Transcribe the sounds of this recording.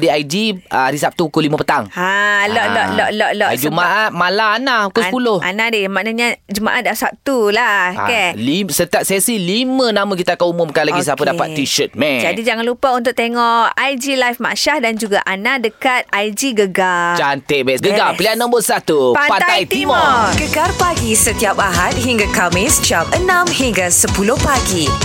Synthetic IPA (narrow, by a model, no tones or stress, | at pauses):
diajd͡ʒiɾisap̚t̪ukulimə̃pət̪aŋalɔʔlɔʔlɔʔlɔʔlɔd͡ʒumaʔat̪̚malaːnãukusəpulʊha̰nãdemaʔnaɲãd͡ʒuma̰ʔat̪̚dlasap̚t̪ula̰kɛlisət̪iap̚sɛsilimənamãk̬it̪akaumʊmkalaɡis̬apədapa̰t̪t̪ːiʃət̪̚mɛd͡ʒadid͡ʒaŋanlupaunt̪ʊk̚t̪eŋɔʔajd͡ʒilajfma̰ʔʃahdand͡ʒuɡaʔanãdəkat̪̚ajd͡ʒiɡəɡad͡ʒant̪eʔbɛʔɡəɡapəlianə̃mbotsat̪upapat̪aajt̪imɔrɡəɡarpaɡisət̪iapaɦat̪̚ɦiŋɡakamɪsd͡ʒapənãmhiŋɡasəpulʊhpaɡi